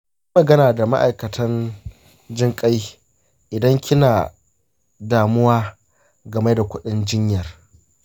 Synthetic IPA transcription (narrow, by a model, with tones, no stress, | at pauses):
ji˦mɐ˨ɡɐ˦naː˨da˨ma̰˦ʔa˨jkɐ˨tʰɐ˦n | d͡ʒɪ˦ŋkʼa˦j | ʔɪ˨dɐ˦ŋkʲʰɪ˦naː˨ | daː˨mʊ˦waː˦ | ɡɐ˨me˦da˨kʷʊ˦ɗɪ˦nd͡ʒɪ˦ɲjɐ˨r